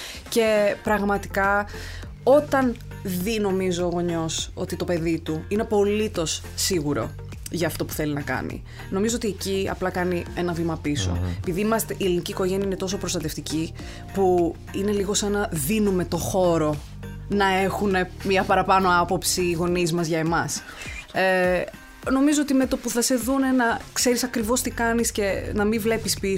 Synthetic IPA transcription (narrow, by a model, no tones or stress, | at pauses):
ce̞pɾɐɣmɐt̪i̥kɐ | o̞t̪ɐn | ðino̞mizoːɣo̞ɲo̞so̞̰t̪it̪o̞pe̞ðit̪uinepo̞lit̪o̞sːiɣuɾo̞̰ | ʝɐːft̪o̞pu̥θe̞linɐkɐ̰nḭ | no̞mizoot̪ieciɐ̰plɐkɐnie̞nɐvimɐpiso̰epiðiimɐst̪eʔieliniciːko̞ʝe̞niɐine̞t̪o̞so̞pɾost̪ɐt̪e̞ft̪ici | pu | ine̞liɣo̞senɐðinume̞t̪o̞xo̞ɾo̞ | nɐe̞xune̞miɐpɐɾɐpɐno̞ɐpo̞psiːɣo̞nizmɐzʝɐe̞mɐs | e | no̞mizo̞ot̪ime̞t̪o̞puθɐse̞ðune̞nɐkse̞ɾisɐkɾivo̞st̪ikɐnisce̞nɐmivle̞pispi